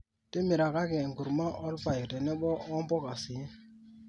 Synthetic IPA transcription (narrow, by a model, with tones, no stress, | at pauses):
te˦mi˨ɾa˨ka˦kɛ˨ŋɡu˨ɾma˦ʔɔ˦lpa˨ji˨tɛ˨nɛ˦bɔ˦ɔ˦mbɔ˦ka˨si˨˦